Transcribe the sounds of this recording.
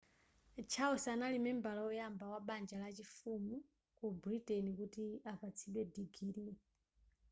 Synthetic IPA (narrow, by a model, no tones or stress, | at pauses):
t͡ʃʰaɔsaːnalimɛmbalaɔjambawaɓand͡ʒalat͡ʃifumu | kubɾitɛnikutiapat͡sʰiɓɛdiɡiɾia